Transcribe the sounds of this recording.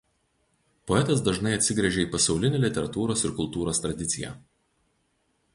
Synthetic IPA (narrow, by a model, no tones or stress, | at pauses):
pɔɛt̪ɐsd̪ɐʒnɐɪɐt̪ʲsʲɪɡɾʲɛʒʲɛiːpɐsɒʊlʲɪnʲeːlʲɪt̪ʲɛɾɐt̪uːɾoːsɪɾkʊlˠt̪uːɾoːst̪ɾɐd̪ʲɪt̪sʲɪjæ̰ːˑ